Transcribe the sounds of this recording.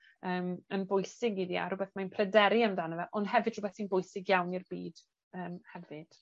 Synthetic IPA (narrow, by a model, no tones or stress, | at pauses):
əːmənbʊjsɪɡiðia̰ɾʊbɛθmaɨnpʰrɛdɛɾiamdanəvɛʔɔnd̥ɦɛvɨd̥rʊbɛθsiːnbʊjsɪɡjawnirbiːd̥ | əːmhɛvɨd̥